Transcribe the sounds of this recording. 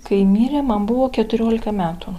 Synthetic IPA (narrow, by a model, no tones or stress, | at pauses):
kɐɪmʲiːɾʲeːmɐnbʊʋoːkʲɛt̪ʊɾʲoːlʲɪkɐmʲæːt̪u